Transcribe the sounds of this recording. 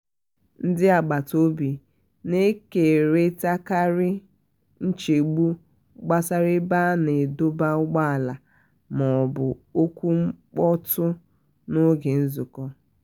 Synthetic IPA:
n̩˦dɪ˦a˨ɡ͡ba˨to˦bi˨ | ne˦ke˨ɾe˦ta˦ka˦ɾɪ˦ | n̩˦t͡ʃe˨ɡ͡bu˦ | ɡ͡ba˦sa˦ɾɪ˦ba˦ne˨do˦ba˦ʊ˦ɡ͡ba˦a˨la˨ | mɔ˨bʊ˨o˦kʷu˦ŋ͡m̩˦k͡pɔ˦tʊ˦ | nʊ˦ɡe˨n̩˦zʊ˨kɔ˦

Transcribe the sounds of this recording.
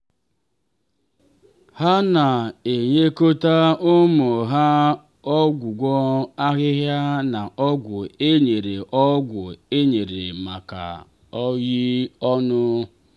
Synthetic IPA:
ha˦na˨e˨ɲe˦ko˦ta˦ʊ˦mʊ˨ɦa˦ | ɔ˦ɡʷu˨ɡʷɔ˦a˦ɣɪ˦ɦja˦na˨ʔɔ˦ɡʷʊ˨e˦ɲe˨ɾe˨ʔɔ˦ɡʷʊ˨e˦ɲe˨ɾe˨ma˨ka̰˨ | ɔ˦ji˦ɔ˦nʊ˦

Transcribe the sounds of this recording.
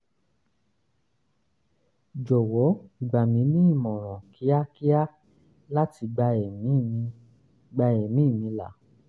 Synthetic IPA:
d͡ʒɔ˨wɔ˨˦˨ɡ͡ba˨mĩ˨˦nĩ˦i˦˨mɔ̃˨ɾ̃ɔ̃˨kʰi˨˦a˦ki˦a˦ | la˦ti˧ɡ͡ba˧ɛ˨mĩ˨˦˨ | ɡ͡ba˧ɛ˨mĩ˨˦˨mĩ˧la̰˨˦

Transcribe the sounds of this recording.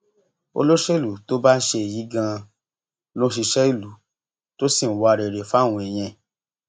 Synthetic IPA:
o̰˧lo˦ʃe˦˨lu˨to˨˦ba˦n̩˦ʃe˧e˨ji˨˦ɡã˧ | lo˦ʃi˧ʃɛ˦i˦˨lu˨ | to˦si˦˨n̩˨˦wa˧a˧ɾe˨ɾe˨fa˦˨w̃ɔ̃˧e˨j̃ɛ̃˧

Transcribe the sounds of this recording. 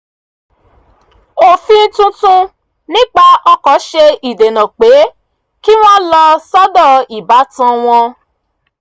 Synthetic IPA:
o˦˨fĩ˦n̩˦tũ˦tũ˦ | nĩ˦k͡pa˧ɔ˧kɔ˨˦ʃe˧i˨de˨nã˨k͡pe˨˦ | ki˦w̃ɔ̃˦lɔ˧sɔ˦dɔ˦˨i˨ba˨˦tã˧w̃ɔ̃˧

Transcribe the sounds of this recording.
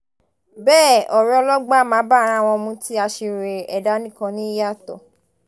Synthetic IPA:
bɛː˦˨ɔ˨ɾɛ˨˧ɔ˧lɔ˦ɡ͡ba˦mãː˨˦ba˦˨ɾã˦˨w̃ɔ̃˧mũ˧ti˦a˧ʃi˧ɾe˨ɛ˨da˦nĩ˦kã˧nĩ˦ja˦˨tɔ̰˨

